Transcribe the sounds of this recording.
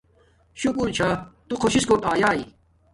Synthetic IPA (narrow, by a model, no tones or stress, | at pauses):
ɕukuɾt͡ɕʰat̪ukʰoɕiskoʈ̪aːjaːi